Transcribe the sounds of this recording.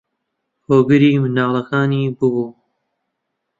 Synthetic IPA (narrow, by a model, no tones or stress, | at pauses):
hoːɡɨɾiːmɨnaːlˠɐkaːniːbɨbuː